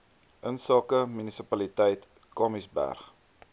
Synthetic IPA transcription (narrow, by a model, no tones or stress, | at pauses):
ʔənsɑːkəmynisəpɐlitɛjt | kɑmisbæ̰rχ